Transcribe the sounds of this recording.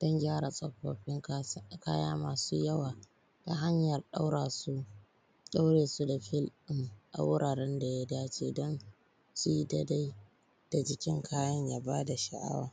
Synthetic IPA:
d̥ɔ˦ŋɡʲaː˦ɾa˨sʼɐ˨ɸːo̰ː˨ɸɪ˦ŋkaː˦ja̰ː˦maː˨suː˦jɐ˦waː˨ | ta˨ɦa˦ɲjɐ˨rɗa˦wɾa˨su˦ | ɗa˦wɽeː˨su˦da˨ɸɪ˦lɪ˦ŋʔa̰˨wʊ˦ɽʔaː˨ɾɛ˦nda˨ja˦daː˦t͡ʃeː˨dɔ˦n | su˦ji˦da˦da˦j | d̥a˨d͡ʒɪ˦kʲɪ˦ŋkʰaː˦jɐ˦ɲjaː˦baː˦da˨ʃa̰˨ʔa̰˦wa̰ː˨

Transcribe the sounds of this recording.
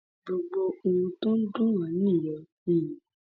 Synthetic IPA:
ɡ͡bo˨ɡ͡bo˧o˧wũ˧to˦n̩˦du˦wã˨˦nĩ˦˨jɔ˨ | i˦˨ji˨

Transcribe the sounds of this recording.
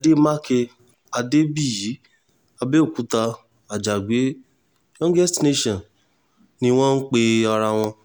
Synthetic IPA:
de˦mã˦ke˧ | a˧de˦bi˦˨ji˨˦ | a˧be˦o˦˨ku˨˦ta˧ | a˨d͡ʒa˨ɡ͡be˨˦ | jɔ̃˦ɡɛ˦stne˦ʃɔ̃˨ | nĩ˧w̃ɔ̃˦n̩˦k͡pe˧ɔ˧ɾa˧w̃ɔ̃˧

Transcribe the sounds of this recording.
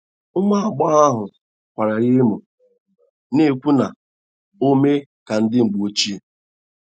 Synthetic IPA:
ʊ˦ma˦a˨ɡ͡bɔ˦a˦ɦʊ˨ | kʷa˨ɾa˨ɣe˦mu˨ | ne˦˨kʷu˦na˨ | o˦me˦ka˨n̩˦dɪ˦ŋ͡m̩˨ɡ͡bo˦t͡ʃi˦

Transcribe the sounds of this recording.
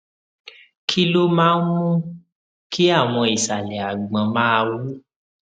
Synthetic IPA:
kʰi˦lo˦mãː˦n̩˦mũ˦ | kʰi˦a˦˨w̃ɔ̃˧i˨sa˨lɛ˨a˨ɡ͡bã˨˦mãː˦˧wu˦

